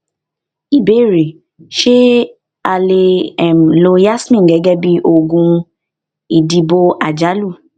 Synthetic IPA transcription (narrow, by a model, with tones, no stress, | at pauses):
i˦˨be˨˦˨ɾe˨ | ʃe˦ | a˧le˧ɛ˨m̩˨lo˧ja˦smĩ˦˨ɡɛ˨˦ɡɛ˦bi˦ʔo˧ɡũ˧ | i˨di˧bo˧a˨d͡ʒa˨˦lu˦˨